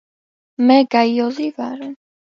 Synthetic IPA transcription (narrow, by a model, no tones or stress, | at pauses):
mɛɡajɔzivaɾɛn